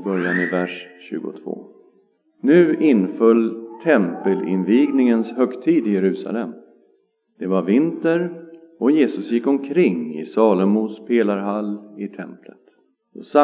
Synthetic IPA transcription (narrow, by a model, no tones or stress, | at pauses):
bœɾjanɪvæʂɕʉ̟ːɡʊ̰t̪ʰv̥o̰ː | nʉ̟ːʔɪnfœlːt̪ʰɛmpəlɪ̰nviːɡnɪŋənshœkt̪ʰiːd̪ɪjɛɾʉ̟ːsa̰lɛm | d̪̥ɛvaɾvɪnt̪əɾ | ɔjeːsɵsjɪkːɔmkʰɾɪŋːɪ̰sɑːləmuːspʰeːlaɾɦalːɪt̪ʰɛ̰mplət̪ | d̪ɔsa